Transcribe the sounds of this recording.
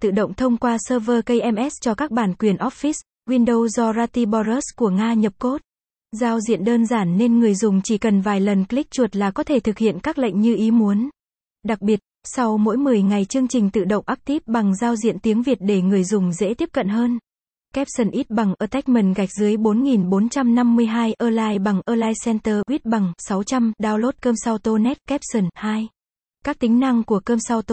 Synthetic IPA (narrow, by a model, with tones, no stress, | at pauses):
t̪ɨ̰˧˨ɗə̰˧˨wŋ͡mt̪ʰə˧wŋ͡mkwaː˧səː˧vəː˧kə˧jʔɛ˧mʔɛ˦˥st͡ɕɔ˧kaː˦˥k̚ɓaː˧˩nkwi˨˩ənʔɔ˦˥t̚fi˦˥s | kwi˧ənɗo˧wzɔ˧zaː˧t̪i˧ɓɔ˧zə˦˥sku˧˩əŋaː˧ɲə˨˩p̚ko˦˥t̚ | zaː˧wzḭ˧˨ənɗəː˧nzaː˧˩nːe˧nŋɨ˨˩əjzʊ˨˩ŋ͡mt͡ɕi˧˩kə˨˩nvaː˨˩jlə˨˩nkli˦˥k̚t͡ɕu˨˩ət̚laː˨˩kɔ˨˦t̪ʰe˧˩t̪ʰɨ˨˩k̚hḭ˧˨ənkaː˦˥k̚lə̰˧˨ŋ̟ɲɨ˧ʔi˨˦mu˨˦ən | ɗa˨˩k̚ɓi˨˩ət̚sa˧wmo̰˧˥jmɨ˨˩əjŋa˨˩jt͡ɕɨ˧əŋt͡ɕï˨˩ŋ̟t̪ɨ̰˧˨ɗə̰˧˨wŋ͡mʔaː˦˥k̚t̪i˦˥p̚ɓa˨˩ŋzaː˧wzḭ˧˨ənt̪i˨˦əŋvi˨˩t̚ɗe˧˩ŋɨ˨˩əjzʊ˨˩ŋ͡mzḛ˧˥t̪i˦˥əp̚kə̰˧˨nɦəː˧n | kɛ˦˥p̚sə˨˩nʔi˦˥t̚ɓa˨˩ŋʔəː˧t̪ɛ˦˥k̚mi˨˩nɣa˨˩jk̟̚zɨ˨˦əjɓo˨˦nŋi˨˩nɓo˨˦nt͡ɕa˧mna˧mːɨ˧əjɦaː˧jʔəː˧laː˧jɓa˨˩ŋʔəː˧laː˧jsɛ˧nt̪əː˧ʔwi˦˥t̚ɓa˨˩ŋsa˨˦wt͡ɕa˧mɗaː˧wlo˦˥t̚kəː˧msa˧wt̪o˧nɛ˦˥t̚kɛ˦˥p̚sə˨˩nhaː˧j | kaː˦˥k̚t̪ï˨˦ŋ̟na˧ŋku˧˩əkəː˧msa˧wt̪o˧